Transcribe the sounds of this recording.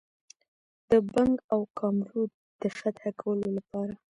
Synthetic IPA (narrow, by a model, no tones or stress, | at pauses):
d̪̥əbaŋɡawkʰɑmɾud̪̚ | d̪̥əfat̪hakʰawəlolapɑɾa